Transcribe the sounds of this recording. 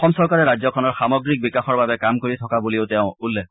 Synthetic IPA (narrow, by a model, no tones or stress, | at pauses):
ɔmsɔɹkaɹɛɹazɔkʰɔnɔɹxamɔɡɹik̚bikaxɔɹbabɛkamkoɹitʰɔkabuliʊtɛʊ̃ulːɛ